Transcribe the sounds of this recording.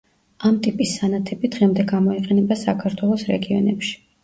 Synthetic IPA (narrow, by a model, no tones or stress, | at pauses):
amt̪ʼipʼisːanat̪ʰɛbid̪̥ʁɛmd̪ɛɡamɔiqʼɛnɛbasakʰaɾt̪ʰwɛlˠɔsɾɛ̰ɡiɔ̰nɛpʃi̥